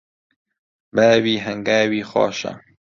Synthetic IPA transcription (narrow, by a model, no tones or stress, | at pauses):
bæːwiːɦɐŋɡaːwiːxɑ̰ːʃɐ̰